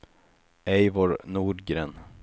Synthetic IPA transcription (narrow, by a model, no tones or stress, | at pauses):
ɛjvɔɾnuːɖɡɾeːn